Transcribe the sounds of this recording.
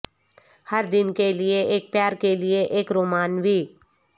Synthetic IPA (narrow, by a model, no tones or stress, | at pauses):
hɐɾd̪ɪnkelɪeʔeːk̚pjaːɾkelɪeʔeːkɾoːmaːnbʱiː